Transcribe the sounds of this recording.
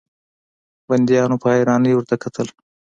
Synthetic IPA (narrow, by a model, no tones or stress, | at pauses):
bɐnd̪ijɑːnopʰɑːeɾɑːnəjwʊɾt̪akʰɐt̪ʰəl